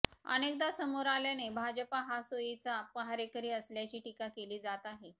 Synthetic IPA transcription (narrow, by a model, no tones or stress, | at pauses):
ə̰nek̚d̪asəmoɾaljanebʱad͡ʑəpaɦasojit͡sapəɦaɾekəɾiːəsljat͡ɕiːʈikakeliːd͡zat̪aɦe